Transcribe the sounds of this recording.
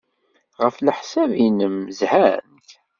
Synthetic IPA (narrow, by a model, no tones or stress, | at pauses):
ʁəflħsævinəmzhænt